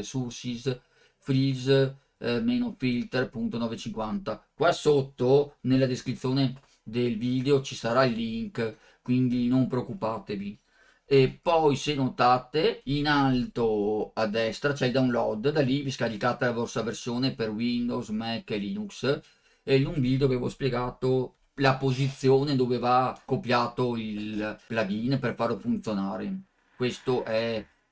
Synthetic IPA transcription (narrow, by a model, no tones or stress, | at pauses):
suɾsis | fɾiz | menofilt̪ɛrpunt̪onɔːvet͡ʃiŋkwant̪akwasot̪ːonelːad̪eskɾit̪sjoːne | d̪elvid̪eot͡ʃisaɾailːiŋk | kwind̪inompɾeokːupat̪evi | epɔjsenot̪at̪einalt̪oad̪ːɛst̪ɾat͡ʃɛd̪aunlɔd̪d̪aliviskaɾikaːt̪alavɔst̪aversjoːneperwind̪owzmɛkːelinuks | enuŋvid̪eaveːvo̰spjeɡaːt̪o | lapozit̪sjoːned̪oːvevakopjaːt̪oilplaɡinperfarlofunt̪jonaːɾe | kwest̪oʔɛ